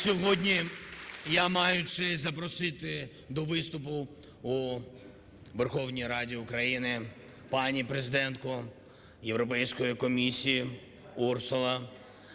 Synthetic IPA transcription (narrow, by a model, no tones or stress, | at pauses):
sʲɔɦɔdʲnʲi | jamɑjʊt͡ʃɪzɐp̬ɾɔsɪt̪ɪ | d̪ɔʋɪst̪ʊp̬ʊ | u | ʋerxɔwnʲijɾɑdʲiʊkɾɐjinɪ | pɑnʲipɾezɪd̪ɛnt̪̚kʊ | jewɾɔpɛjsʲkɔjikɔmʲisʲiji | ursʊlˠɐ